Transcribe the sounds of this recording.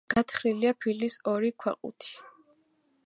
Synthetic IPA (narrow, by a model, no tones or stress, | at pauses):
ɡ̥at̪ʰχɾiliapʰilisɔɾikʰwɛ̰qʼṵt̪ʰi̥